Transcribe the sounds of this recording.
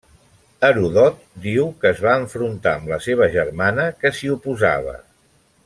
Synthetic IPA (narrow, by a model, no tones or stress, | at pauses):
əɾuðɔt̪̚d̪iwkəːzβaəɱfɾunt̪aəmləseβ̞əʒərmanəkəsiupuza̰β̞ə̰